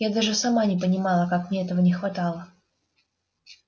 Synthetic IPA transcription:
jad̪aʐɨsɐmanʲɪpənʲɪmalˠəkakmnʲeɛt̪əvənʲɪxvɐt̪alˠə

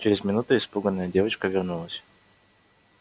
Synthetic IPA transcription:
t͡ɕɪɾʲɪzmʲɪnut̪ʊɪspuɡənːəjədʲe̞vət͡ɕkəvʲɪrnulˠəsʲ

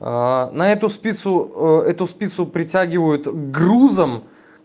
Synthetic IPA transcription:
nɐɛt̪ʊspʲit̪sʊɛt̪ʊspʲit̪sʊpɾʲɪtʲæɡʲɪvəjʊt̪ɡruzəm

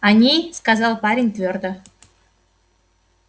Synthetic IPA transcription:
anʲejskazɑlˠpaɾʲɪnʲt̪vʲørd̪ə

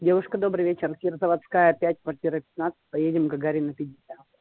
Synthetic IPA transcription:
dʲe̞vʊʂkəd̪o̞bɾɨvʲet͡ɕɪrkʲɪrzəvɐt̪skajəpʲætʲkvɐrtʲiɾəpʲɪ̥t̪nat̪sɨ̥t̚ʲpɐjedʲɪmɡɐɡaɾʲɪnɐpʲɪdʲɪsʲat̪

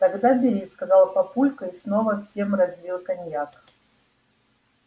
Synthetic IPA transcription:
t̪ɐɡd̪abʲɪɾʲiskɐzɑlˠpɐpulʲkəisno̞vəfsʲe̞mrɐzʲbʲilˠkɐnʲjak

